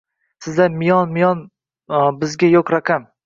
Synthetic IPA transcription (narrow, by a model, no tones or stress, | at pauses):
sɪzlanmɪjɒnmɪjɒn | bɪzɡʲajokɾaqʰam